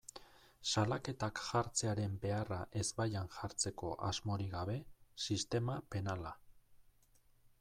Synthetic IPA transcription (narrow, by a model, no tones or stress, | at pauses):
salake̞t̪akʝaɾt͡se̞aɾe̞mbe̞araʔe̞zbajanʝaɾt͡se̞ko̞̰ʔazmo̞ɾiɣaβ̞e̞sist̪e̞mape̞nala